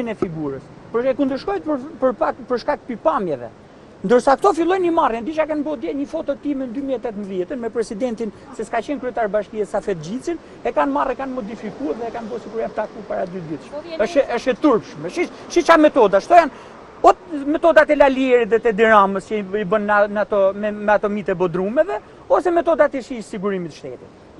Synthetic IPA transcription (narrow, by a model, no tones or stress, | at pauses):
inɛfiɡuɾəs | pɛkund̪əɾʃkɔjpəpəɾpakpəɾʃkak̚pipamjɛvɛ̰ | nd̪əɾsakt̪ɔfilˠɔjnimarjɛnd̪iʃakanbɔd̪ɛɲəfɔt̪ɔt̪imɛnd̪ymiɛt̪ɛt̪mbðjɛt̪ənmɛpɾɛsid̪ɛnt̪in | sɛskat͡ɕɛnkɾyɛt̪aɾbaʃkiɛsafɛt̪̚d͡ʑit͡sin | ɛkanmarɛkanmɔd̪ifikuɛt̪ðɛɛkanbɔsiɡuɾiap̚t̪akupaɾad̪yd̪it̪ʃəʃɛəʃɛt̪uɾpʃmɛʃi | ʃit͡ʃamɛt̪ɔd̪aʃt̪ɔjan | ɔmɛt̪ɔd̪at̪ɛlaliɛɾit̪ðɛt̪ɛd̪iɾaməsɛibənːanat̪ɔɛmɛat̪ɔmit̪ɛbɔd̪ɾumɛvɛ | ɔsɛmɛt̪ɔd̪at̪isiʃsiɡuɾimit̪ʃt̪ɛ̰t̪it̪